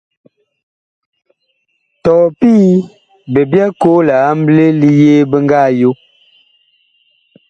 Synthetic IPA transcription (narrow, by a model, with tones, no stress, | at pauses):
tɔː˨piː˦ | be˨bja˦ko˦la˨a˦m̩˦ble˦li˦jeː˦bə˦ŋ˦ɡa˦˨jo˦